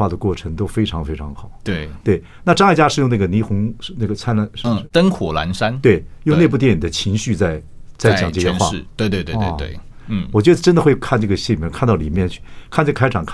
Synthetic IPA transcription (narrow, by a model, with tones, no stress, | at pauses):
wa˥˩d̪ə˩kwɔ˥˩ʈ͡ʂʰə˧˥ŋt̪o˥ʊfe˥ɪʈ͡ʂʰɑ˧˥ŋfe˥ɪʈ͡ʂʰɑ˧˥ŋxɑ˨˩˦ʊt̪we˥˩ɪt̪we˥˩ɪ | na˥˧ʈ͡ʂŋ˥˩ɪt͡ɕja˥ʂɻ̩˥˧jʊ˥˧ŋna˥˩ɡə˩ni˧˥xʊ˧˥ŋʂna˥˩ɡə˩t͡sʰa˥n˧˥ʂt̪ə˥ŋxwɔ˨˩la̰˧˥nʂa˥nt̪we˥˩ɪjʊ˥˧ŋne˥˧p̬u˥˩t̪jɛ˥˩ni˨˩d̪ə˦t͡ɕʰi˧˥ŋɕy˥˧t͡sa˥˩ɪ | t͡sa˥˩ɪt͡ɕɑ̰˨˦ŋʈ͡ʂɤ˥˧˩ɛ˥˧xwa̰˥˩˥t̪we˥˧ɪt̪we˥˧t̪e˥˧ḛ˥˧e˥˩˥ | wɔ˨˩t͡ɕɥɛ˧˥ə˧ʈ͡ʂə˥nd̪ə˨xwe˥˧ɪkʰa˥˧nʈ͡ʂɤ˥˩ɡə˩ɕi˥˩i˨˩mjɛ˥˧nkʰa˥˧nt̪ɑ˥˩ʊli˨˩mjɛ˥˧nt͡ɕʰy̥˥˩kʰnʈ͡ʂɡəkʰa˥ɪʈ͡ʂʰɑ˨˩ŋkʰa˥